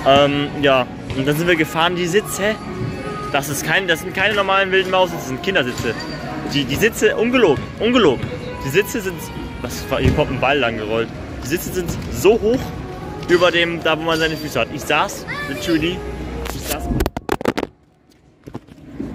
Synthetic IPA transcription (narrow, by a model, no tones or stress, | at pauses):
ʔɛːmjaː | ʔʊntd̥anzɪntviɐɡəfaːʁəndiːzɪt͡sə | d̥asɪstkʰaɪnəd̥asz̥ɪnt̚kʰaɪnənɔɐmaːlənvɪldn̩maʊsɪ̥əzɪnt̚kʰɪndɐzɪt͡sə | d̥iːdiːzɪt͡səʔʊnɡəloːɡŋ̩ʔʊnɡəloːɡŋ̩ | d̥iːzɪt͡səzɪnt | vasfahiːɐkʰɔmtɪmbalːaŋɡəʁɔlt | d̥iːzɪt͡səzɪntz̥oːɦoːx | ʔyːbɐdeːmdaːvoːmanzaɪnəfyːsəhatʔɪçz̥aːsz̥ɪsuliɪçz̥aːs